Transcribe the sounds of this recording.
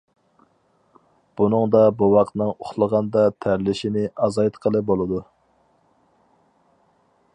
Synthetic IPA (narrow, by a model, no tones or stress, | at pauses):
b̥unɨŋd̪ɑbuwɑqt̪nɨŋoχlˠəʁɑnd̪ɑt̪ʰæɾlɪʃinɪɑzɑjt̪qʰəlˠɨbolˠɨd̪u